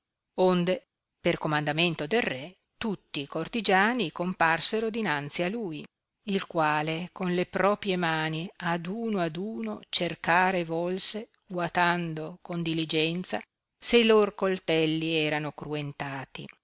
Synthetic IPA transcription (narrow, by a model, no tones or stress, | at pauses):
ond̪e | perkomand̪ament̪od̪elrɛ | t̪ut̪ːikort̪id͡ʒaːnikomparseɾod̪inant̪sialuj | ilkwaːlekonlepɾɔːpɾjemaːniad̪uːnoad̪uːnot͡ʃerkaːɾevɔlse | wat̪and̪okond̪ilid͡ʒɛnt̪sa | seiloɾokolt̪ɛlːiɛːɾanokɾuent̪aːt̪ḭ